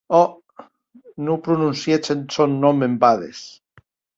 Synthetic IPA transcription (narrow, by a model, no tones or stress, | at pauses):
ɔ | nupɾununsjet͡ʃensonːɔmembaðḛs